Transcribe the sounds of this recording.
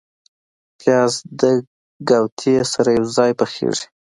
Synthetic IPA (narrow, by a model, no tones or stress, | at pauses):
pjɑzd̪ə | ɡawt̪ʰiesaɾajawzɑjpəxḛʐi̥